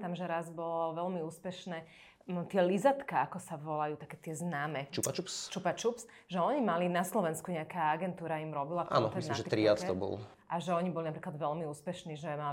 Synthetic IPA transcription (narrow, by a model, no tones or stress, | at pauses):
t̪amʒɛɾazbɔlɔʋɛlmiuːspɛʃnɛː | t̪ɪɛlizat̪kaakɔsaʋɔlajuːt̪akɛːt̪ɪɛznaːmɛt͡ʃupat͡ʃupst͡ʃupat͡ʃups | ʒɛɔɲimalinaslɔʋɛnskuɲɛakaːaɡɛnt̪uːɾaimɾɔbilaʔa̰ːnɔɛnaʒɛt̪ɾiat͡st̪ɔbɔ̰l | ʔaʒɛɔɲibɔlinapɾiklad̪ʋɛlmiuːspɛʃniʒɛma